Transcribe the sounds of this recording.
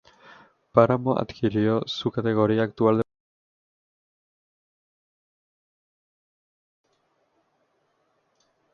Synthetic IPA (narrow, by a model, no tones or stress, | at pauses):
paɾamoʔa̰t̪kʰiɾiosukat̪e̞ɣ̞o̞ɾiaːkt̪uald̪